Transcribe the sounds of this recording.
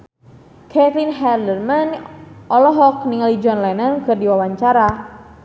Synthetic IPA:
kʰɛt̪linɦɛrdərmanʔɔlɔɦɔk̚niŋalid͡ʒɔnlɛnənkɨrdiwawaɲt͡ʃaɾa

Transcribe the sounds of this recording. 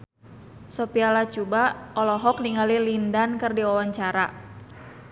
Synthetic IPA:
sɔpialat͡ʃubaɔlɔɦɔk̚niŋalilindankɨrdiɔwaɲt͡ʃaɾa

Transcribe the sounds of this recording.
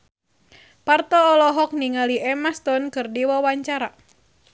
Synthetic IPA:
part̪ɔːlɔɦɔk̚niŋaliʔɛmast̪ɔnkɨrdiwawaɲt͡ʃaɾa

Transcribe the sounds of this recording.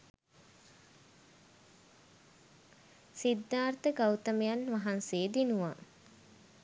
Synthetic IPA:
sid̪ːaːrt̪əɡawt̪əmejanʋaɦanseːd̪inuʋa

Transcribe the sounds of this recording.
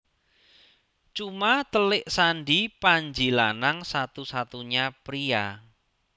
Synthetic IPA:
t͡ʃumat̪əlɪʔsanɖipaɲd͡ʒilanaŋsat̪usat̪uɲapɾia̰

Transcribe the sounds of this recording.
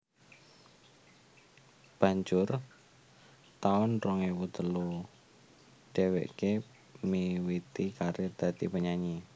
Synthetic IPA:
b̥a̤ɲd͡ʒʊr | t̪aʊnrɔŋewut̪əlu | ɖ̥ewḛʔke | miwit̪ikaɾed̪̥ä̤d̪̥ipəɲaɲi

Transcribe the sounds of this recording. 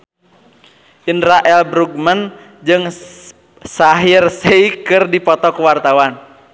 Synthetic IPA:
ʔindɾaʔɛlbɾuɡ̚mən | d͡ʒɨŋ | saɦirsɛikɨrdipɔt̪ɔkəwart̪awan

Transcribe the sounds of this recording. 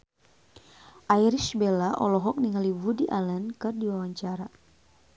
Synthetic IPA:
ʔaiɾiʃbelaʔɔ̰lɔɦɔk̚niŋalibudiʔalɛnkɨrdiwawaɲt͡ʃaɾa

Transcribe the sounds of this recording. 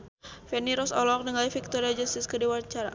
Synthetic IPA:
fɛniɾɔsɔlɔk̚nəŋalifik̚t̪ɔɾiad͡ʒast̪iskədiwaɲt͡ʃaɾa̰

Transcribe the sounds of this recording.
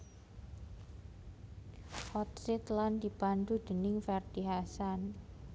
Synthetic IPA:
hɔt̪̚sɪt̪land̪iband̪ud̪̥ənɪŋfɛrd̪̥iɦasan

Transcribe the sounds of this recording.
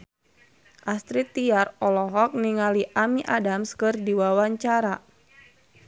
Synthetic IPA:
ʔast̪ɾit̪ːiarɔlɔɦɔk̚niŋaliʔamiʔadamskɨrdiwawaɲt͡ʃaɾa

